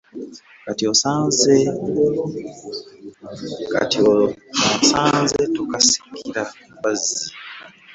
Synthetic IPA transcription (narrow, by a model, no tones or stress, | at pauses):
katiosaːnze | ka̰tioosaːnzetukasi̥kʰiɾa | wazi